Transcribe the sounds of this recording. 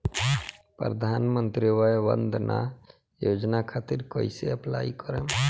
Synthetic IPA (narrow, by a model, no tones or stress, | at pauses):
pɾɾəd̪ʱaːnmənt̪ɾiʋajbə̰nd̪ʱnʔa̰ | jod͡ʒnakʰat̪iɾkɔiseəpla̰ikɔɾem